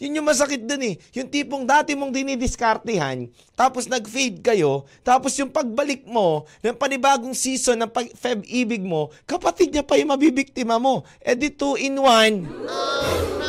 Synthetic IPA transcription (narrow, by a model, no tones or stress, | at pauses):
jʊnɲʊŋmɐs̬ɐkɪt̪̚d̪onɛjʊŋt̪iːpoŋd̪aːt̪ɪmoŋd̪ɪnid̪ɪskɐɾt̪ɪha̰n | t̪aːposnɐɡfid̪̚kɐjo̞t̪aːpo̞sjʊŋpɐɡ̚bɐlɪk̚mo̞nɐŋpɐnɪbaːɡoŋsiːso̞nːɐŋpɐɡfɛbʔiːbɪɡ̚mo̞kɐpɐt̪ɪd̪̚ɲɐpɐjʊŋmɐbibɪk̚t̪ɪmɐmo̞ | ʔɛd̪ɪt̪uʔɪnwan